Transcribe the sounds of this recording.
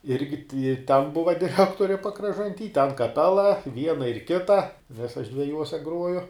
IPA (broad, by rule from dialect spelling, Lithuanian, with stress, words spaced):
ˈɪrʲɡʲɪ tʲɪ ɪ tʲɛn ˈbʊʋɐ dʲɪˈrʲæːktoːrʲɪ pɐkrɐʒɐnʲˈtʲiː tʲɛn kɐˈpʲæːlˠɐ ˈʋʲiɛnɐ ɪr ˈkʲɪtɐ nʲɛs ɐʃ dʲʋʲɛˈjuɔsʲɛ ˈɡruɔjʊ